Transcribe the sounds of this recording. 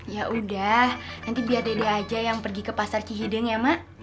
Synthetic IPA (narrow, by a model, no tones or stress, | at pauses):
jaʔudahnant̪ibiardedaːd͡ʒajaŋpərɡikəpasart͡ʃiɦidəŋjamaʔ